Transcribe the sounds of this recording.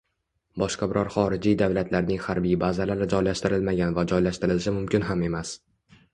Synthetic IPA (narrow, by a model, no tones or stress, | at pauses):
bɒʃqɑbɪɾʔɒɾχɒɾɪd͡ʒijd̪avlat̪ʰlaɾnɪŋhaɾbijbazalaɾɪd͡ʒɒjlaʃt̪ɪɾɪlmaɡʲanvad͡ʒɒjlaʃt̪ɪɾɪlɪʃ̬ɪmʊmkʲɪnɦame̞mas